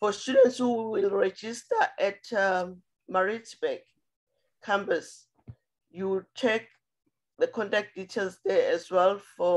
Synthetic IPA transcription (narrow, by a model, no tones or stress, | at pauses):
fɔstjudɛ̃ntshuwilɹɛd͡ʒistaʔɛta | maɹit͡ʃbɛɡ | kʰːãmpas | juwt͡ʃʰek̚ | ðəkʰɔ̃ntak̚d̥itʰelsdɛɛzwɛlfɔ